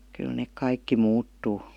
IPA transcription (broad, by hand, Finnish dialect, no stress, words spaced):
kyl neˑk kɑikːi muːtːuː